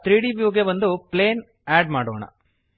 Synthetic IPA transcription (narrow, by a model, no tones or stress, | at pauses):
t̪ɾiːɽibijuːɡjɐbɐnd̪upleːn | aːɖmaːɽo̰ːɳɐ̰